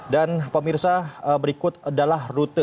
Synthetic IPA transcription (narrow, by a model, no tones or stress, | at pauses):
danpəmirsaəbəɾikʊt̪̚adalahrut̪ə